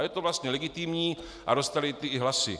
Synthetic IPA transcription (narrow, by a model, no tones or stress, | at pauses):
jɛt̪ovlast̪ɲɛlɛɡɪt̪ɪmɲiː | ʔa̰ɾost̪alɪt̪ɪɦlasɪ̰